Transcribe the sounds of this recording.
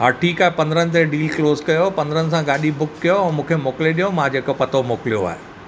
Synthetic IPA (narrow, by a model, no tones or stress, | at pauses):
ɦaːɾʈʰiːkaːɦepɐ̃nd̪ɾənɪ̆t̪̬ẽɖiːlkloːzkɐjopɐ̃nd̪əɾənɪ̆sãɡaːɗibʊkːijoɛ̃ːmũːkʰemoːkleɗijõmãd͡ʑeːkopɐt̪ʰomoːkɪlijoa̰ːɦe